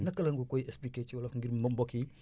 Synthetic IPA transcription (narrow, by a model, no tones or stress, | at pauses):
nɐkɐlɐŋɡukojespliket͡ʃiwalafŋɡiɾmmboki